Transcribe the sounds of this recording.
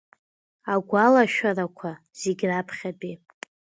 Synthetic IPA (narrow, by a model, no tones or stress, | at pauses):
aɡʷalaʃᶣarakʷʰa | z̥eɡʲrapʰχʲabi